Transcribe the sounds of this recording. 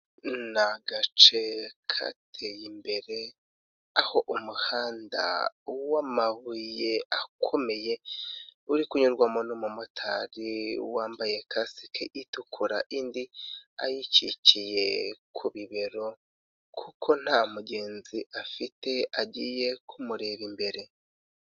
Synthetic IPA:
naɡat͡ʃekʰa̰tʰejimbe̞ɾe̞ | aho̞ʔumuhaːnda̰wamaβujeakʰo̞me̞je̞ | uɾikuɲuɾɡwamonumumutʰaɾiṵwaːmbaje̞kʰasi̥kʰeʔitukʰuɾa̰ʔindia̰jit͡ʃḭt͡ʃije̞kʰuβiβe̞ɾo̞ | kʰukʰo̞n̥hamuɟe̞ːnziʔafite̞aɟiːje̞kʰumuɾe̞βimbe̞ɾe̞

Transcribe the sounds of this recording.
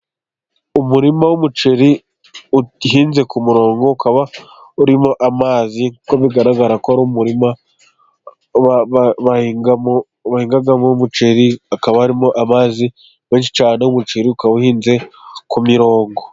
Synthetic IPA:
umuɾimawumut͡ʃeɾi | uɦiːnze̞kumuɾo̞ːŋɡo̞ukʰaβa | uɾimo̞ʔamaːzikuko̞βiɡaɾaɡaɾakoaɾumuɾima | aaβaa | βahiːŋɡaɡamoumut͡ʃeɾiakaβahaɾimo̞ʔamaːzi | βe̞ːnʃi̥t͡ʃaːne̞wumut͡ʃeɾiukaβauhiːnze̞kumiɾo̞ːŋɡo

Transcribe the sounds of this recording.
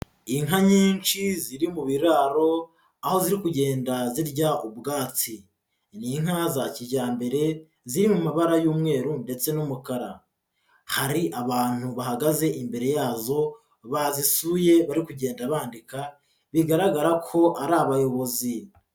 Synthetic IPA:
iŋɦaɲiːnt͡ʃiziɾimuβiɾaːɾo̞ | aho̞ziɾikuɟe̞ːndaziɾɟaubɡaːt͡si | niŋ̥hazaciɾɟaːmbe̞ɾe̞ | ziɾimumaβaɾajuːmŋe̞ːɾunde̞t͡se̞numukaɾa | haɾiʔaβaːn̥uβahaɡaze̞ʔimbe̞ɾe̞jaːzo̞ | βazisuje̞βaɾikuɟe̞ːndaβaːndika | βiɡaɾaɡaɾakʰo̞ʔaɾaβajo̞βo̞zi

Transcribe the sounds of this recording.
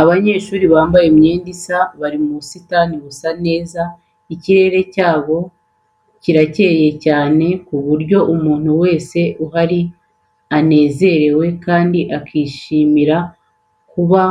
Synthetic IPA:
aβaɲe̞ːʃuːɾiβaːmbajemɲe̞ːndisaβaɾimusitaniβusane̞ːza | iciɾe̞ɾe̞caːβo̞ | ciɾace̞ːje̞caːne̞kuβuɾɟo̞ʔumuːn̥huwe̞ːse̞ʔuɦaɾi | ane̞ːze̞ɾe̞we̞kaːndiʔakiːʃiːmiɾa | kuβa

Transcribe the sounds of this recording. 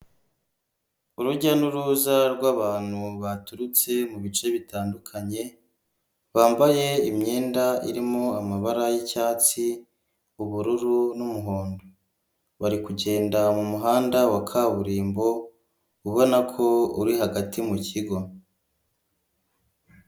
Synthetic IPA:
uɾuɾɟanuɾuːzaɾɡwaːβaːn̥huβatuɾut͡se̞muβit͡ʃe̞βitaːndukʰaɲe̞ | βaːmbaje̞imɲe̞ːndaḭɾimoamaβaɾajicaːt͡si | uβuɾuɾunumuɦo̞ːndo | βaɾikuɟe̞ːndamumuɦaːndawakʰaːβuɾiːmbo̞ | uβo̞nakʰo̞uɾiɦaɡatimuciɡo̞

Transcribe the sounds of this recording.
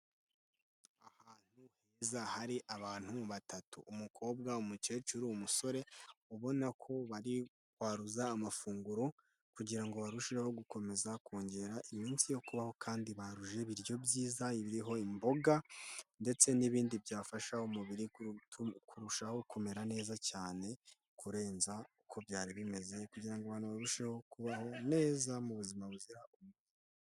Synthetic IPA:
ahaːn̥huheːzahaɾiʔaβaːn̥huβatatṵːmukʰo̞ːbɡaumut͡ʃe̞ːt͡ʃuɾuːmuso̞ɾe̞uβo̞nakʰo̞βaɾi | kwaːɾuzaːmafuːŋɡuɾo | kuɟiɾaŋɡo̞βaɾuʃiɾeho̞ɡuko̞me̞zakʰoːɲɟe̞ːɾaʔimiːnsijo̞kuβaho̞kʰaːndiβaɾuʒe̞βiɾjo̞bɟiːzaiβiɾiɦo̞imbo̞ɡande̞t͡se̞niβiːndibjaːfaʃaumuβiɾitkʰuɾuʃahoukʰome̞ɾane̞ːzacaːne̞ | kʰuɾe̞ːnzaukʰo̞bjaːɾiβime̞ze̞kuɟiɾaŋɡoaβaːnuβaɾuʃeho̞kuβaho̞ne̞ːzamuβuzimaβuziɾaumuβiɾii

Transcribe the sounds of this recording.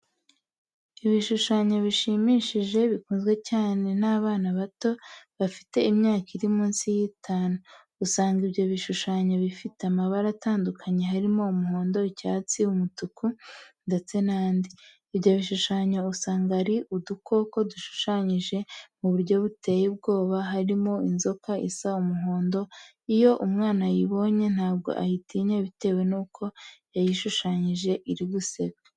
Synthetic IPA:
iβiʃuʃaɲoβiʃimiʃiʒe̞βikuːnzɡwe̞caːne̞naːβaːnaβato̞βafi̥te̞imɲaːkiɾimuːnsijitʰaːnuː | saːŋɡiβɟo̞βiʃuʃaɲoβifiteamaβaɾataːndukʰaɲe̞ɦaɾimo̞umuhoːndo̞icaːt͡siumutukunde̞t͡se̞naːndiː | βɟoβiʃuʃaːɲousaːŋɡaɾiʔuduko̞ko̞duʃu̥ʃaɲiʒe̞muβuɾɟo̞βute̞jib̚ɡo̞ːβaɦaɾimo̞inzo̞kaisaumuɦoːndo̞ | ijo̞ʔumŋaːnajiβo̞ɲe̞n̥haːb̚ɡo̰ʔa̰jitiɲeβite̞ːwe̞nuːkʰo̞jajiʃuʃaɲiʒe̞ʔiɾiɡuse̞ɡɡe

